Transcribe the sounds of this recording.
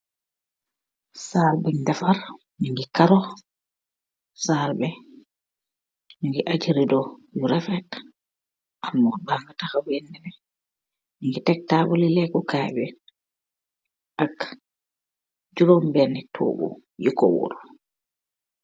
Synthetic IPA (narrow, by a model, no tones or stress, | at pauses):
salbɛŋdafaɾ | miŋɡɛkaɾɔ | saɾbɛ | miŋɡɛʔad͡ʒiɾidɔjuɾɛfɛt | ʔamːɔbaŋɡatahabɛndɛbɛ | miŋɡɛtɛk̚taːbɔlilɛɡɔkajbɛ | ʔak | d͡ʒuɾɔmbɛnɛtʰɔ̰ːbɔ̰jukɔ̰wɔ̰ɾɔ